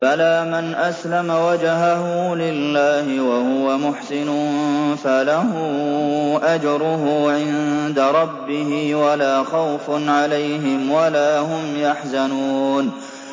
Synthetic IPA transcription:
alaːmanʔaslamawad͡ʒɦaɦʊlɪlːaːhɪwahʊwamʊħsɪnʊnfalaɦʊ | ʔad͡ʒɾˤʊɦʊʕɪnnd̪aɾˤɑbːɪhɪwalaːxawfʊnʕalajɦɪmwalaːɦʊmjaħzanuːn

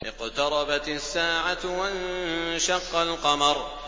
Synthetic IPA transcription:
ʔɪqt̪ɑɾˤɑbat̪asːaːʕawanʃɑqːɑlqɑmɑɾˤ

